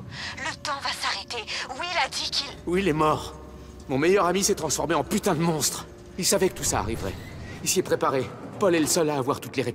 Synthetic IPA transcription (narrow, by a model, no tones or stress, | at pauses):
lət̪ɑ̃vasaʁet̪ewilad̪ikʰʲilwiːlɛmɔʁ | mɔ̃mejœʁamisɛt̪χɑ̃sfɔʁmeɑ̃pyt̪ɛ̃d̪əmɔ̃st̪χ | ilsavɛkə̥t̪usa̰ːʁivʁɛ̰ilsiɛpχepaʁepɔlɛləsɔlaːvwaʁt̪ut̪leʁep